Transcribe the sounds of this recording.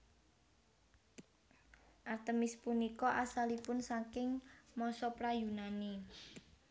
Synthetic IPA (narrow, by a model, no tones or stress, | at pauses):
ʔart̪əmɪspunikɔʔasalipʊnsakɪŋmɔsɔpɾajunani